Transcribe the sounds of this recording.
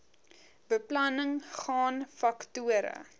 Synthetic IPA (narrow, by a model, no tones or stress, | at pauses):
bəplɐnəŋχɑːnfɐktuəɾə̰